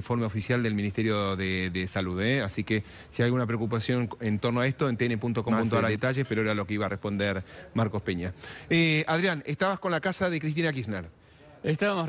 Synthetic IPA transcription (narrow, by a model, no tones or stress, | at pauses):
ɱfo̞ɾmeofisjald̪elminist̪eɾjo̞ðeðesaluðeasike | siajɣunap̬ɾeokupasjo̞nent̪o̞ɾnoaest̪oent̪eenepunt̪okompunaɾaðet̪aʒespeɾoeɾalo̞keiβarespo̞nd̪eɾmaɾko̞speɲaeaðɾjanest̪aβasko̞nlakasaðe̞kɾist̪inakisneɾ | est̪aβamo